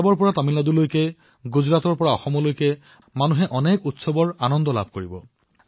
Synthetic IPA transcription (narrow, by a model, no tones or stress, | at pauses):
bɔɹpɔɹatamiladulojkɛ | ɡuzɹatɔɹpɔɹaɔxɔmɔlojkɛ | manuɦɛʔɔnekutsɔbɔɹanɔndɔla̰b̚ʱkoɹibɔ